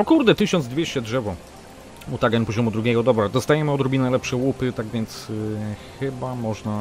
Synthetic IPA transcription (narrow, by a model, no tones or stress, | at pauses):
ɔkuɾd̪ɛt̪ɘɕɔnd̪zd̪vʲjeɕt͡ɕɛdʐɛvɔ | mut̪aɡɛnpɔʑɔmud̪ɾuɡʲɛɡɔd̪ɔbɾɛd̪ɔst̪ajɛmɘɔd̪ɾɔbʲinajlɛpʂɛwupɘt̪aɡvʲɛnt̪s | xɘbamɔʐna